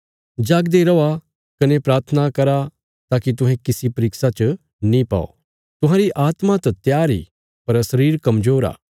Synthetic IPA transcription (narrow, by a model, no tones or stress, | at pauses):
d͡ʒaːɡd̪eɾɐa | kɐnepɾaːɾt̪ʰənakɐɾa | t̪aːkit̪̬ʊ̃ɦɛ̃kɪsipɐɾɪksat͡ʃ | nĩpa̰ːo̰ | t̪ʊɦãːɾiʔaːt̪mat̪ɐt̪jaːɾḭ | pɐɾsɐɾiːɾkɐmd͡ʒoːɾa̰ː